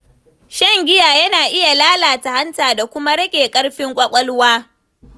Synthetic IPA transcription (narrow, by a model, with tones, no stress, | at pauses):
ʃɐ˦ŋɡʲɪ˦jaː˨jɐ˦naː˨ʔɪ˦ja˨laː˦laː˨ta˨ha˦ntaː˨da˨kʷʊ˦ma˦ɽɐ˦kʲʼeː˨kʼɐ˦ɽɸɪ˦ŋkʷʼɐ˦kʷʼɔ˦lwaː˦